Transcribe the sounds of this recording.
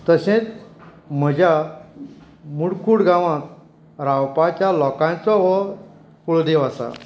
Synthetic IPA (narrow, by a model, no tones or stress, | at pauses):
t̪əɕẽt͡s | m̤əd͡ʑʱja | muɽkʰuɽɡãʋãt̪ | ɾawpat͡ɕjalɔkãnt͡sɔɦɔ | kuɭd̪ewasa̰